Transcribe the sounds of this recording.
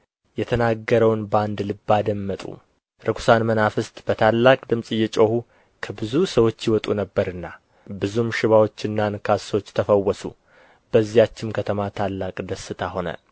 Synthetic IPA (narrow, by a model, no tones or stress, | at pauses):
jɛt̪ʰənaɡːəɾəwnband̪lɨbːad̪əmːət̪ʼṵ | ɾɨkʰu̥sanmənafɨst̪ʼb̥ət̪ʰalːakʼd̪ɨmsʼɨjːɛt͡ʃʼohu | kʰəbɨzusəwo̞t͡ʃːjɪwɔt̪ʼunəbːəɾɨnːa | bɨzumʃɪβawo̞t͡ʃːɪnːankʰaso̞t͡ʃːt̪ʰəfəwːɔsṵ | b̥əzːijat͡ʃːɪmkʰət̪ʰəmat̪ʰalːakʼd̪əsːɨt̪ʰaho̞nə̰